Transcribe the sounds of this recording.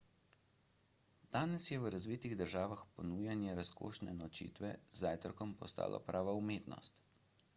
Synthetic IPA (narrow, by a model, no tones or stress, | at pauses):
d̪̥aːnɛsjɛʋəɾazʋiːt̪iɣd̪əɾʒaːʋaxpɔnuːjanjɛɾasko̰ːʃnɛnɔt͡ʃḭːt̪ʋɛ̰zaːjt̪ɾɔkɔmpɔst̪a̰ːlʔɔ̰pɾʔaːʋaumeːt̪nɔ̰st̪